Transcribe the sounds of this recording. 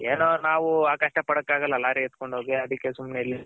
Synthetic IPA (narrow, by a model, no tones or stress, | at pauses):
eːnoːnaːʋuaːkaːʂʈɐpɐɽɐkːaːɡɐlːɐlaːɾiet̪ko̞ɳɖɦoːɡiɐd̪ikːesumnelːi